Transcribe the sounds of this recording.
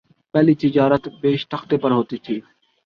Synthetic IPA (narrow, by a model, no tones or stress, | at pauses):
pɛːlit̪ɪd͡ʒaːɾət̪beːʃt̪əxt̪eːpɐɾɦoːt̪iːt̪ʰiː